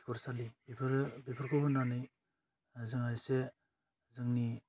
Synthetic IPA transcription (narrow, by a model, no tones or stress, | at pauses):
kʰɔɾsalibipʰɾbipʰɯɾkʰɔbɯnanɯj | zɯŋajse | zɯŋni